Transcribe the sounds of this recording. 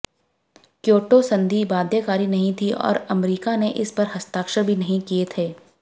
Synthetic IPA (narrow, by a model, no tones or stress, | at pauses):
kjoːʈosɐ̃nd̪ʱibaːd̪ʱjekaːɾinɐɦĩt̪ʰiɔ̰ːɾɐmɾiːkaneʔɪspɐɾɦɐst̪aːkʃəɾbʱinɐɦĩkiet̪ʰeː